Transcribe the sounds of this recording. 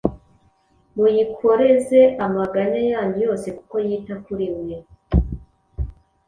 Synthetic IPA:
mujikʰo̞ɾe̞ze̞ʔamaɡanajaːɲujo̞ːse̞kuko̞jiːtakuɾimɲe

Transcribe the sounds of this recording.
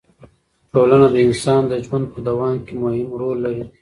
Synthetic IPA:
ʈoːlənad̪əɪnsɑːnd̪əd͡ʒwand̪̚pəd̪awɑːmkemohɪmɾoːlːaɾi

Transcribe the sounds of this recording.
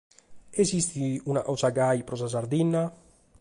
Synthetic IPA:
esist̪iunaʔawsaɡajpɾɔsas̬aɾd̪inːa

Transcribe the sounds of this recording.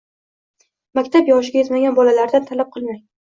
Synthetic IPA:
makʲt̪ʰapjɒʃ̬ɪɡʲajɪzmaɡʲanbɒlalaɾd̪ant̪ʰalap̚qʰɨlˠmaj̪ɪ

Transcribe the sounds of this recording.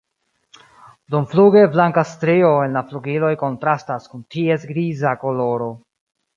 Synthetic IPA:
domfluɡe̞blaŋkastɾeo̞e̞nlafluɡilo̞jko̞ntɾastaskuntie̞sɡɾizako̞lo̞ɾo̞

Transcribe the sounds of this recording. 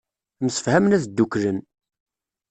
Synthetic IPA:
məsə̥fhæmnæθd̪ːuklən

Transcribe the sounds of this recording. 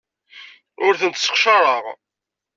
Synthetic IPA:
ʊɾθənt̪sə̥qʃəɾˤəʁ

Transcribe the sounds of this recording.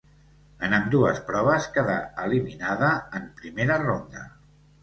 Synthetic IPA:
ənəmd̪uəspɾɔβ̞əskəða̰əliminaðəəmpɾimeɾərond̪ə̰

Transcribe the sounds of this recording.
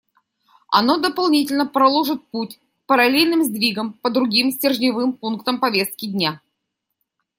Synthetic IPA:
ɐ̰no̞d̪əpɐlˠnʲitʲɪlʲnəpɾɐlˠo̞ʐɨt̪̚putʲ | pəɾɐlʲelʲnɨmzʲd̪vʲiɡəmpəd̪ɾʊɡʲimsʲtʲɪrʐnʲɪvɨmpunkt̪əmpɐvʲest̪̚kʲɪdʲnʲa

